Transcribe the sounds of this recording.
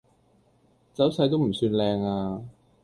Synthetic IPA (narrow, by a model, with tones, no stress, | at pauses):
t͡sɐ˨˥wsɐ˨˧˥jt̪̬o˥wm̩˨˩syː˧nlɛː˧ŋaː˧